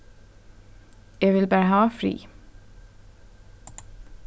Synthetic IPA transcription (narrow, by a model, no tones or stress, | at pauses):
jæʋɪlbæːɹəhɑːfɾḭː